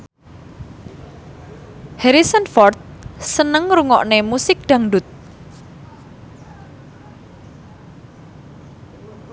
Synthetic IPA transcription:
hɛɾisənfɔrt̪̚sənəŋɾuŋɔ̰ʔnemusɪk̚d̪̥a̤ŋɖʊt̪̚

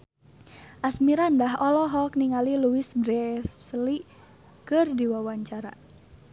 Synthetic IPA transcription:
ʔasmiɾandaɦɔlɔɦɔkniŋaliluwisbɾɛsli | kɨrdiwawaɲt͡ʃaɾa̰

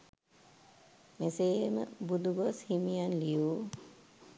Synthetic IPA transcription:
meseːmə̰bud̪uɡoshimijanlijuː

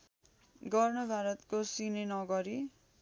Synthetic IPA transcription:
ɡʌrnʌbʱaɾʌt̪kosinenʌɡʌɾi

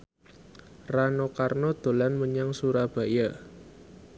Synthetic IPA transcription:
ranokarnod̪̥o̤lanməɲaŋsuɾab̥a̤ja

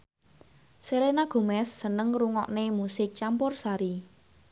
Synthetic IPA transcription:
selenaɡ̥o̤mɛsːənəŋruŋɔ̰ʔnemusɪk̚t͡ʃampʊrsaɾi

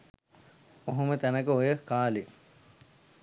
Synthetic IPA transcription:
oɦomət̪ænəkəojəkːaːle

